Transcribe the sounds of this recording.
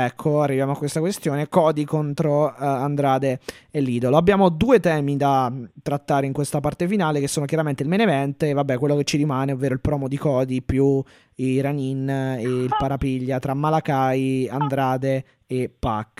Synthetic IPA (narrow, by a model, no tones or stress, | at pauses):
ɛkʰːoarːivjaːmoakːwest̪akwest̪joːnekɔːd̪ikont̪ɾoand̪ɾaːd̪eːlːiːd̪oloabːjaːmod̪uːet̪ɛːmid̪at̪ːɾat̪ːaːɾeiŋkwest̪apart̪efinaːlekesːoːnokjaɾament̪eilmenevɛnt̪eːvabːɛkwelːoket͡ʃːiɾimaːneovːeːɾoilpɾɔːmod̪ikɔːd̪ipju | iɾanineilpaɾapiʎːat̪ɾamːalakajand̪ɾaːd̪eː | pːakː